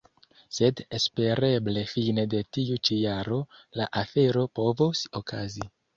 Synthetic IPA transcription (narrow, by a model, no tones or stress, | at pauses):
se̞de̞spe̞ɾe̞ble̞fine̞de̞tiut͡ʃijaɾo̞laʔafe̞ɾo̞po̞vosokʰazi